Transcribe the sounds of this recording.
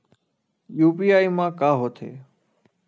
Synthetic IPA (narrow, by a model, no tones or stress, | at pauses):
juːpiːaːimãːkaːɦoːt̪ʰḛː